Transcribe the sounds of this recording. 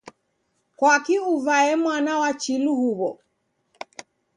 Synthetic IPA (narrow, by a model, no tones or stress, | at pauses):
kwakiuvaɛmwanawat͡ʃiluhuβɔ